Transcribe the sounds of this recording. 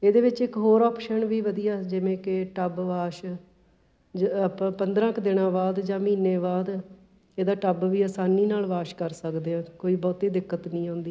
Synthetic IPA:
eːd̪eːʋɪt͡ʃɪkɦoːɾɔːpʃənʋiːʋəd̪ijaːd͡ʒɪʋẽːkɪʈəbʋaːʃ | pənd̪ɾãːkd̪ɪɽãːbaːd̪d͡ʒãːmĩːneːbaːd̪ | eːd̪aːʈəbʋiːəːsaːniːnaːlʋaːʃkəɾsəkd̪eːãːkoːiːbɔːt̪iːd̪ɪkːət̪nĩːɦõːnd̪iː

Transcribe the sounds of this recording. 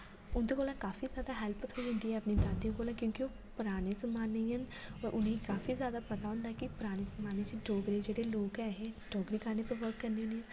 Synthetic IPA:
ʊnd̪eːkoːlãːkaːfʰiːzjaːd̪aːɦɛːlpt̪ʰoiːɦʊ̃nd̪iːɦɛːəpniːd̪aːd̪ijõːkoːlãːkjõːkioː | pʊɾaːɽeːsəmaːnːeiːɦənɔːɾʔʊnẽːikaːfʰiːzjaːd̪aːpət̪aːɦʊ̃ːnd̪aɛkɪpʊɾaːɽ̃eːsəmaːneːt͡ʃiɖoːɡɾeːd͡ʒeːɽeːloːkɛːɦeːɖoːɡɾiːkəɾneːpəɾʋəɾkːəɾneːneː

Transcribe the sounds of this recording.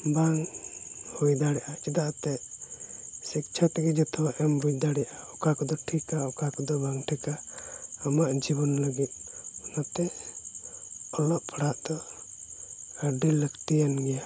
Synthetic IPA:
baŋ | hujd̪aɽɛʔat͡ʃid̪aʔat̪ɛʔ | sik̚t͡ʃʰat̪ɛɡɛd͡ʒɛt̪ɔʔɛmbujd̪aɽɛʔaɔkakɔd̪ɔʈʰikaɔkakɔd̪ɔbaŋʈʰikaː | maʔd͡ʒiβɔnləɡit̪̚ɔnat̪ɛ | ɔlɔʔpʰaɽaʔd̪ɔ | əɖiləkʈijanɡɛja

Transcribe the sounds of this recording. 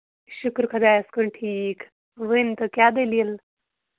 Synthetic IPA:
ɕukɾkʰəd̪ajəskuɳʈʰiːk | ʋənt̪əkjad̪eliel

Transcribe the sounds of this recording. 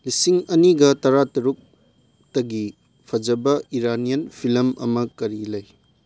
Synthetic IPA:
lisiŋɐniɡɐtɐɾatɐɾuk̚ | tɐɡi | pʰɐd͡ʒɐbɐiɾanijɐnpʰilɐmɐ̰mɐkɐɾilɐj

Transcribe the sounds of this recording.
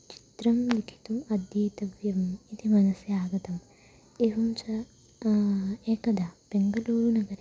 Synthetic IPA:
t͡ʃi̥t̪ɾɐmlikʰi̥t̪umɐd̪jɐjt̪ɐʋjɐmɐit̪ʰimɐnɐsjaːɡɐt̪ɐm | eːɦumt͡ʃɐ | eːkɐd̪ab̥eŋɡɐluːɾunɐɡɐɾi

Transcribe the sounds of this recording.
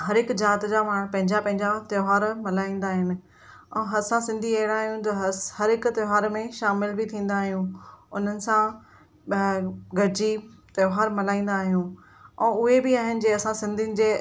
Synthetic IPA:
ɦɐɾɪkd͡ʑaːt̪d͡ʑamaːɽ̃pɐ̃ɦɪ̃ɲd͡ʑapɐ̃ɦɪ̃ɲd͡ʑat̪joɦaːɾmɐlaːĩːn̆d̪aːɦɪnɪ̆ | ɛ̃ːɦɐsãsɪ̃nd̪ʱiɐɦɪɽ̃aːɦjũt̪ɐɦhɐɾɪkt̪jɦaːɾmẽʃaːmɪlbɪt̪ʰĩːn̆d̪aːɦijũʊn̤ənɪ̆sã | ɡɐɾɪd͡ʑit̪joɦaːɾmɐlaːĩːn̆d̪aːɦijũ | ɛ̃ːʊɦebɪaːɦɪnɪ̆d͡ʑeːɐsãsɪ̃nd̪ʱiənɪ̆d͡ʑeː

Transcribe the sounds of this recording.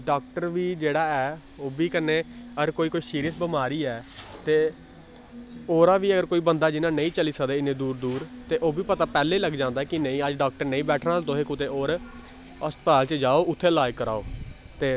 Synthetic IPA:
ɖaːk̚ʈəɾʋiːd͡ʒeːɽaːɛː | oːbiːkəneːəɡəɾkoːiːkoːiːsiːɾijəsbɪmaːɾiːɛːt̪eː | oːɾaːʋiːəɡəɾkoːiːbənd̪aːd͡ʒɪnãːnəĩːt͡ʃəliːsəkd̪eːɪnẽːd̪uːɾd̪uːɾt̪eːʔoːbiːpət̪aːpɛːleːləɡd͡ʒãːnd̪aɛːkɪnəĩːəd͡ʒɖaːk̚ʈəɾnə̃ĩːbɛːʈʰnaːlt̪õːɦeːkʊt̪eːoːɾ | əst̪paːlt͡ʃd͡ʒaːoːʊt̪ʰːeːlaːjkəɾa̰ːoː | t̪eː

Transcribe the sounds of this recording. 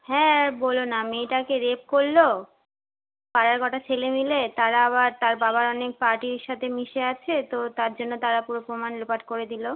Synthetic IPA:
hɛ̃bolonameʈakeɾep̚koɾːo | paɾaɾkɔʈat͡ɕʰelemilet̪aɾaaβaɾt̪aɾbaβaɾɔnek̚paɾʈiɾʃat̪ʰemiʃeat͡ɕʰet̪ot̪aɾd͡ʑonːot̪aɾapuɾopɾomanlopaʈkoɾed̪ilo

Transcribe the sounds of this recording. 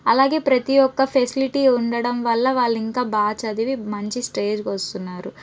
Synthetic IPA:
ɐlaːɡe̞ːpɾɐt̪ijɔkːɐpʰesiliʈiuɳɖɐɽɐmʋɐlːɐʋaːɭːiŋkaːbaːt͡ʃɐd̪iʋimɐɲt͡ʃisʈe̞ːd͡ʒkɐst̪unːaːɾu

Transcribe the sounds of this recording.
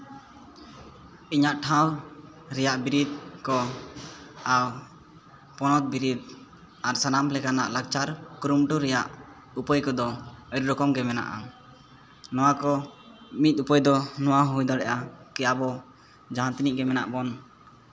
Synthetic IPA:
iɲaʔʈʰãw | ɾɛjaʔbiɾid̪̚kɔ | aw | pɔnɔt̪̚biɾid̪̚ | aɾsanamlɛkana̰ʔlaɡ̚t͡ʃaɾkuɾumʈuɾɛjaʔ | upəjkɔd̪ɔəɾɾɔkɔmɡɛmɛna̰ʔa̰ | nɔwakɔ | mit̪̚upəjd̪ɔnɔwaɦujd̪aɽɛʔakɛjabɔ | d͡ʒaɦãt̪iniʔɡɛmɛna̰ʔbɔn

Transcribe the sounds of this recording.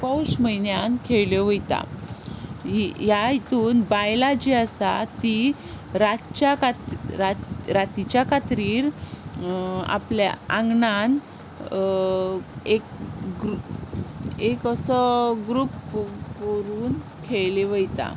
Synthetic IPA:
pawɕməjnjankʰeɭleʋəjt̪a̰ | ɦijaɦit̪uːnbajlad͡ʑiəsat̪i | ɾatt͡ɕakaɾaɾat̪it͡ɕjakat̪ɾiːɾ | a̰plja̰ãŋɡnan | ek̚ɡɾu | ekəsɔɡɾupkəɾuːn | kʰeɭleʋəjt̪a̰

